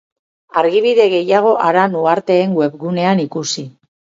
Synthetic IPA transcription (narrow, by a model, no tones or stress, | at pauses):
aɾɣiβ̞iðe̞ɣe̞jaɣ̞o̞ʔaɾanuaɾt̪e̞ːŋɡwe̞βɣune̞anikusi